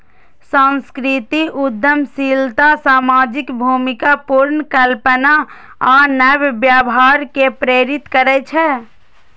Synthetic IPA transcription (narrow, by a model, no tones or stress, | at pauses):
sãnskɾit̪iʔud̪jəmsilt̪asaːmaːd͡ʒɪkbʱumɪkapuɾnkəlpəna | anɛbbjaːbɦaːɾkepɾeːɾɪt̪kəɾɛt͡ʃʰɛ